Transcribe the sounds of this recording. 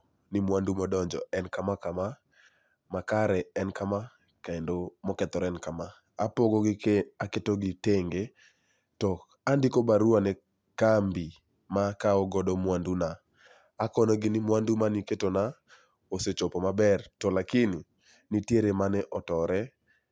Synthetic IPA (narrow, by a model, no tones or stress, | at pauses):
nɪmwandumɔdɔɲd͡ʒɔ̰ɛnkamakama | makaɾɛɛnkama | kaendomɔkɛt̪ɔɾɛnkamaː | pɔɡɔɡɪaketoɡɪteŋɡe | tɔ | andɪkobaɾuanɛ | kambi | makaɔɡɔdɔmwandunaː | kɔnɔɡɪnɪmwandumaniketona | oset͡ʃɔpɔmabɛrtɔlakɪni | nitjeɾemanɛʔɔtɔɾɛ